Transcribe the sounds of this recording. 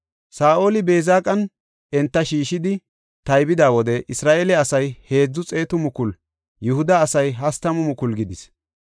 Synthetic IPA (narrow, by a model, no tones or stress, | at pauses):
saːʔo̞ːlɪbe̞ːzaːkʼɐn | ɛnt̪ːɐʃiːʃɪd̪ɪ | t̪ɐjbɪd̪aːwɔd̪ɛʔɪsɾaːʔeːlɛɐsɐjhe̞ːd͡zːʊt͡sʼe̞ːt̪ʊmʊkʊl | jʊhʊd̪ɐːsɐjɦɐst̪ɐmʊmʊkʊlɡɪd̪ɪs